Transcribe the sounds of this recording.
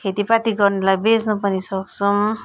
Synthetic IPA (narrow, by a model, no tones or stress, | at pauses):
kʰet̪ipat̪iɡʌrnelajbed͡znupʌnisʌksum